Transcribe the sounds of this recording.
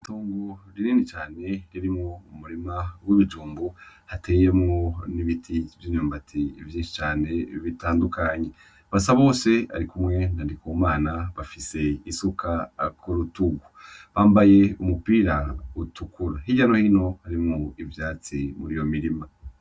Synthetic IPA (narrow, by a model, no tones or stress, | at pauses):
tuːŋɡoɾiɾiːnit͡ʃaːne̞ɾiɾimŋoumuɾimawiβid͡ʒuːmbuhatejemŋoniβitʰivjiːɲuːmbatʰivjiːnʃi̥t͡ʃaːne̞βitaːndukaɲe̞ | βasaβo̞ːse̞a̰ɾikumŋe̞nandikomaːnaβafise̞isukʰakʰuɾutuɡuβaːmbaje̞umupiɾautukuɾahiɟano̞hino̞haɾimŋuivjaːt͡simuɾijo̞miɾima